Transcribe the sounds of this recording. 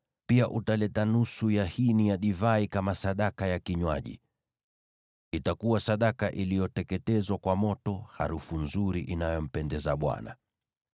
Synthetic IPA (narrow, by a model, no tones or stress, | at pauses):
piaʔutalɛtanusujahinijaɗivaikamasaɗakajakiɲwa̰ʄḭ | itakuwasaɗakaʔilijɔtɛkɛtɛzwakwamɔtɔha̰ɾufunzuɾiʔinajɔm̩pɛndɛzaɓwa̰na̰